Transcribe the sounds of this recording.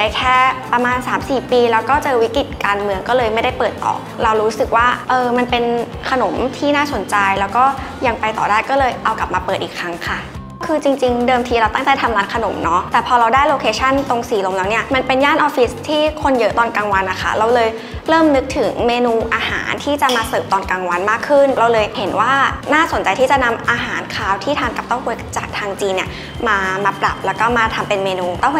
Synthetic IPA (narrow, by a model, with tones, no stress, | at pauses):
a˧jkʰɛː˥˩pɾa˧maː˧nsaː˩˦msiː˨˩piː˧la˦˧wkɔː˥˩t͡ɕɤː˧wi˦˥ki˨˩t̪̚kaː˧nmɯ˧əŋkɔː˥˩lɤː˧jma˥˩jda˥˩jpɤː˨˩t̪ːɔ̰ː˨˩kɾa˧wɾuː˦˥sɯ˨˩k̚waː˥˩ʔɤː˧ma˧npe˧nkʰa˧no˨˩˦mt̪ʰiː˥˩naː˥˩so˨˩˦nt͡ɕa˧jlɛː˦˥wkɔː˥˩ | ja˧ŋpa˧jt̪ɔ̰ː˨˩daː˥˩jkɔː˥˩lɤː˧jʔa˧wka˨˩p̚maː˧pːɤː˨˩t̪̚ʔiː˨˩kʰɾa˦˥ŋkʰa˥˩ | kːkʰɯː˧t͡ɕi˧ŋt͡ɕi˧ŋdɤː˧mt̪ʰiː˧ɾa˧wt̪a˥˩ŋt͡ɕa˧˥˩jt̪ʰa˧mlaː˦˥nkʰa˧no̰˨˩˦mnɔ˦˥t̪ɛː˨˩pʰɔː˧ɾa˧wdaː˥˩jloː˧kʰeː˧t͡ɕʰa˥˩nt̪o˧ŋsiː˨˩˦lo˧mlɛː˦˥wni˥˩ɐma˧npe˧njaː˥˩nʔɔː˧fi˦˥st̪ʰiː˥˩kʰo˧njɤ˦˥t̪ɔː˧nkaː˧ŋwa˧nːa˧kʰa̰˥˩ɾa˧wlɤː˧j | ɾɤː˥˩mnɯ˦˥k̚t̪ʰɯ˩˦ŋmeː˧nuː˧ʔaː˧ha̰ː˩˦nt̪ʰiː˥˩t͡ɕa˨˩maː˧sɤː˨˩p̚t̪ɔː˧nkaː˧ŋwa˧nmaː˥˩kʰːɯ˥˩nɾa˧wlɤː˧jhe˩˦nwaː˥˩naː˥˩so˩˦nt͡ɕa˧jt̪ʰiː˥˩t͡ɕa˨˩na˧mʔaː˧ɦaː˩˦nkʰaː˧wt̪ʰiː˥˩t̪ʰaː˧nka˨˩p̚t̪a˥˩wkʰu˧əjkt͡ɕa̰ː˨˩k̚t̪ʰaː˧ŋt͡ɕiː˧nːi˨˩ɐ | maː˧maː˧pɾa̰˨˩p̚lɛː˦˥wkɔː˥˩maː˧t̪ʰa˧mpe˧nmeː˧nuː˧t̪a˥˩w